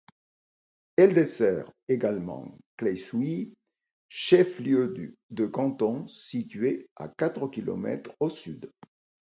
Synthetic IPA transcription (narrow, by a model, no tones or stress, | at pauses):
ɛld̪esɛʁeɡalmɑ̰̃klɛjswi | ʃɛfljød̪əkɑ̃t̪ɔ̃sit̪ɥea̰kat̪χəkʲilɔ̰mɛ̰t̪χosyd̪